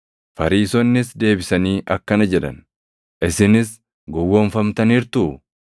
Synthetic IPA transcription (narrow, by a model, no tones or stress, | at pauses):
fɐɾiːsɔnːɪsd̪e̞ːbɪsɐniːʔɐkːɐnɐd͡ʒɛᶑɐ̰n | ʔɪsɪnɪs | ɡɔwːɔnfɐmt̪ɐniːɾt̪ʊ